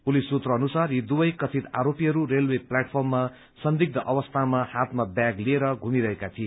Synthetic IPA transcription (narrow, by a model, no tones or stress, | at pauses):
pulisut̪rʌʌnusarjid̪ubʌjkʌt̪ʰit̪a̰ɾopiɦʌɾurelweplaʈpʰʌrmːa | sʌnd̪iɡ̚d̪ʌʔʌbʌst̪ʰamahat̪mabjaɡlieɾʌɡʱumiɾʌɦekat̪ʰie